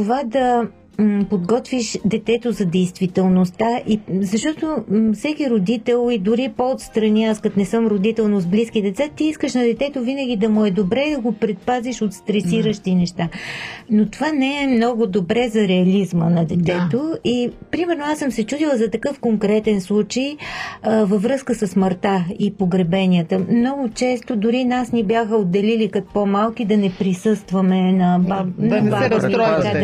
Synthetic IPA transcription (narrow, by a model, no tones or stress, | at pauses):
t̪ovad̪ɐ | pod̪ɡɔt̪viʃd̪ɛt̪ɛt̪ozɐd̪ɛjst̪vit̪ɛlˠnost̪aʔizɐʃt̪ɔt̪ofsɛkiɾod̪it̪ɛlˠid̪ʊɾipoot̪st̪ɾɐniaskɐt̪nɛsɤmɾod̪it̪ɛlˠnozbliskid̪ɛt̪sat̪iiskəʃnɐd̪ɛt̪ɛt̪ovinəɡ̟id̪ɐmʊɛd̪obɾɛd̪ɐɡopɾɛt̪̚paziʃot̪st̪ɾɛsiɾəʃt̪inɛʃt̪anot̪ovanɛɛmnɔɡʊd̪obɾɛzɐɾɛɐlizmənɐd̪ɛt̪ɛt̪oipɾimɛɾnoasəmsɛt͡ʃud̪ilˠəzɐt̪ɐkɤfkoŋkɾɛt̪ɛnslˠut͡ʃəj | vəvɾɤskəsəsməɾt̪aipoɡɾɛbɛnʲiət̪əmnɔɡʊt͡ʃɛst̪od̪ʊɾinasnɛbjaxəod̪ːɛlilikɐt̪pomalˠk̟id̪ɐnɛpɾisɤst̪vəmɛnɐanbabmika